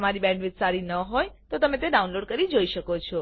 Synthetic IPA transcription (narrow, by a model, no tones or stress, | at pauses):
əmaɾibɛ̃ɳɖʋɪt̪saɾinəɦojt̪ot̪əmẽt̪eɖaunloɖkəɾid͡ʒoiʃəkot͡ʃʰɔ